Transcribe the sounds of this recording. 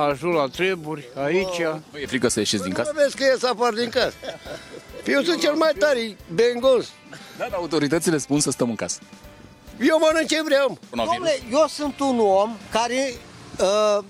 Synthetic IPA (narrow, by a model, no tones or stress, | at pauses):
aʒulat̪ɾeburʲait͡ʃʲanujefɾikəsəjeʃit̪sʲd̪iŋkavet̪skəjesapard̪iŋkasə | pijewsunt̪̚t͡ʃelmajt̪aɾibeŋɡons | d̪ad̪aut̪o̞ɾit̪ət̪sile̞spunsəst̪əmɨŋkasə̥ | jewmanɨnt͡ʃevɾeambunlejewsɨnt̪unomkaɾeə